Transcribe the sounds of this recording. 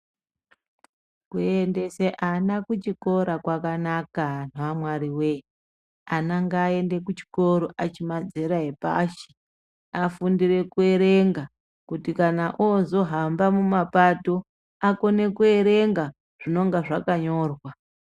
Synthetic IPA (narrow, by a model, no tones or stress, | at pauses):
kuende̞seʔanakut͡ʃiko̞ɾakwakanakan̤aamwaɾiwe̞ | anaŋɡaːe̞nde̞kut͡ʃi̥ko̞ɾoʔat͡ʃimad͡zeɾaɦepa̰ːʃi̥ | afundiɾe̞kue̞ɾe̞ŋɡa | kutikanaʔozo̞ɦambamumapato̞ | ako̞ne̞kue̞ɾe̞ŋɡa | ʐ̥ino̞ŋɡaʐakaɲo̞ːrwa